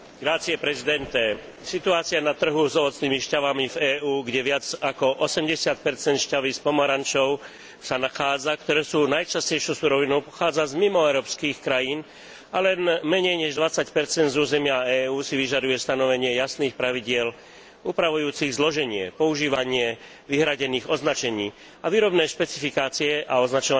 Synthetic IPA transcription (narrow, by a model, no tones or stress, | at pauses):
ɡɾaːt͡siɛpɾɛzid̪ɛnt̪ɛ | sit̪uaːt͡siɪanat̪r̩ɦuzɔʋɔt͡sniːmiʃcaʋamivɛːuːɡɟɛʋɪad͡zakɔʔɔsɛmɟɛsɪat̪̚pɛɾt͡sɛnt̪ʃcaʋispɔmɔɾant͡ʃɔʊ | sanaxaːd͡zakt̪ɔɾɛːsuːnajt͡ʃascɛjʃɔʊsuɾɔʋinɔʊpɔ̥xaːd͡zazmimɔɛʊɾɔːpskixkɾajiːn | alɛnmɛɲɛjɲɛʒd̪ʋat͡sːacpɛɾt͡sɛnd̪zuːzɛmɪaɛːuːsiʋiʒad̪ujɛst̪anɔʋɛɲɪɛjasniːxpɾaʋiɟɪɛl | uːpɾaʋujuːt͡siɣzlɔʒɛɲɪɛpɔuʒiːʋaɲɪɛ | ʋiɦɾaɟɛniːɣɔznat͡ʃɛɲiː | aʋiːɾɔbnɛːʃpɛt͡sifikaːt͡siɛʔaɔznat͡ʃɔa